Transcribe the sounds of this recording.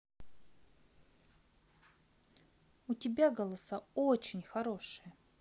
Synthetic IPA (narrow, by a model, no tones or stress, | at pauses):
utʲɪbʲaɡɐlˠɐsaot͡ɕɪnʲxɐɾo̞ʂɨjə